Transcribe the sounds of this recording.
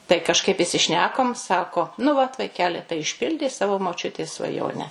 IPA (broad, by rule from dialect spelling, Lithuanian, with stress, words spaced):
tɐɪ kɐʃˈkɐɪp ɪsʲɪˈʃʲnʲæːkoːm ˈsɑːkoː nʊ ʋɐt ʋɐɪˈkʲæːlʲɪ tɐɪ ɪʃʲˈpʲɪlʲdʲɛɪ ˈsɑːʋoː moːˈt͡ʃʲʊtʲeːs sʋɐˈjoːnʲɛ